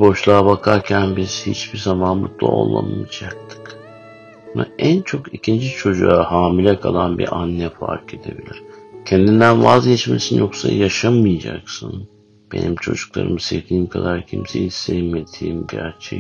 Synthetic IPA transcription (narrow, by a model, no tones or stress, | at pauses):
bo̞ʃlˠaːbakʰaɾcʰænbiz̥hit͡ʃbiɾzamanbut̪lˠa̰o̰lˠːa̰mɯd͡ʒak̚t̪ʰɯ̥k | maænt͡ʃʰo̞kicʰind͡ʒit͡ʃʰo̞d͡ʒuahaːmilʲɛkʰalˠanbḭɾʔanːɛfa̰ɾkʰed̪e̞bilʲiɾ̥cʰɛnd̪ind̪ænvazɟɛt͡ʃmesinjo̞ksajaʃamɯjad͡ʒaksɯn | b̥e̞̰nimt͡ʃʰo̞d͡ʒuklˠa̰ɾɯ̰mɯsevd̪iːimkʰad̪aɾcʰimsejisejimet̪ʰiːmɟæɾt͡ʃʰɛ